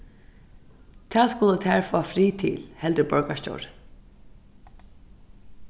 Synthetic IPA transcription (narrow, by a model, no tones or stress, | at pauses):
t̪ʰæːskʊlət̪ʰæːɹfɔːafɾiːt̪ʰɪ̰lhɛld̪əbœɹkascɔ̰wɹ